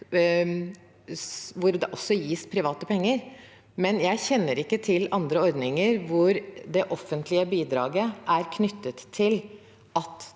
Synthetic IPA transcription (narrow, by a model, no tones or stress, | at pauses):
ʋʊɾd̪ɛʔɔsːɔjiːspʰɾɪʋɑːt̪əpʰɛŋːəɾ | mɛnjæɪçɛnːəɾɪkːət̪ʰɪlɑnd̪ɾəɔɾd̪nɪŋəɾʋʊɾd̪ɛʔɔfːənt̪lɪəbiːd̪ɾɑːɡəʔæɾkʰnʏt̪ːət̪ʰːɪl | ɑt̪